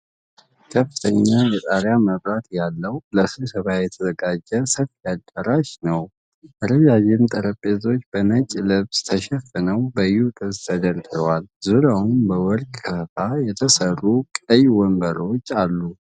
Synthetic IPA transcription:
kʰəfːɨt̪ʰəɲːajɛt̪ʼaɾjaməβɾat̪jalːəwləsɨsəβajɛt̪ʰəzəɡad͡ʒɛsəfjad̪ʼəɾaʃnəw | ʔəɾəd͡ʒad͡ʒɪmt̪ʼəɾəpʼːezo̞t͡ʃːb̥əmət͡ʃʼlɨβst̪ʰəʃɛfːənəwbəjːut̪ʼɨst̪ʰəd̪əɾd̪ɨɾəwalzuɾjawumbəwɔlkʼkʰəfajɛt̪ʰəsərːukʼəjwɔmbəɾot͡ʃːalːu

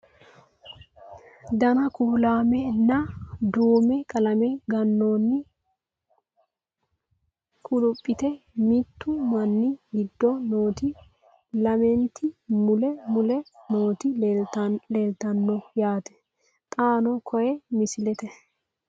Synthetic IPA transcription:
d̪ɐnɐkuːlaːmɛnɐd̪uːmɛkʼɐlɐmɛɡɐnːoːnːɪ | kʼʊlʊpʼːɪt̪ɛmɪt̪ːʊmɐnːɪɡɪd̪ːɔno̞ːt̪ɪ | lɐmɛnt̪ɪmʊlɛmʊlɛnoːt̪ɪ | leːlt̪ɐnːɔjaːt̪ɛ̥ | t̪ʼaːnɔkʰɔjɛmɪsɪlɛt̪ɛ

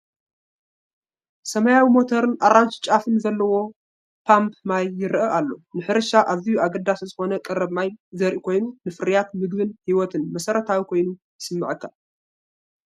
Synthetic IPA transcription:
sɐmɐjawimo̞t̪ʰoɾɨnʔaɾanst͡ʃʼafɨnzɐlːɐwo̞ | pʰampʰmajːɪɾʔɐʔalːo̞nɨħɨɾɨʃaʔaβzijuaɡɐd̪ːaszɨxo̞nɐkʼɐɾɐβmajzɐɾʔikʰo̞jnunɨfɨɾijat̪mɨɡbɨnhiwɔt̪ʰɨnmɐsɐɾɐt̪ʰawikʰo̞jnujɨsɨmːɨʕɨkʰːa

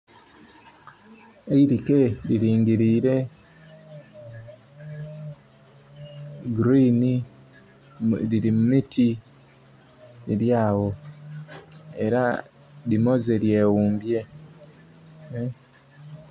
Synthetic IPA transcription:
eiɾikeɾiɾiːŋɡiɾiːɾe̞ | ɡɾini | ɾiɾimumitʰi | iɾjaːwo̞ | e̞ɾa̰ | dimo̞zeɾje̞ːwuːmbje̞

